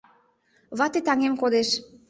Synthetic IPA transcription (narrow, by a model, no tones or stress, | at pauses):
βɑt̪et̪ɑŋemkod̪eʃ